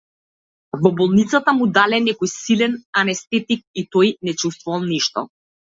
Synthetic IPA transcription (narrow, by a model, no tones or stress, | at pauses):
vɔbɔlˠnit̪sat̪amud̪alɛnɛkɔjsilɛnanɛst̪ɛt̪ik̚it̪ɔjnɛt͡ʃust̪vuvalˠniʃt̪ɔ̰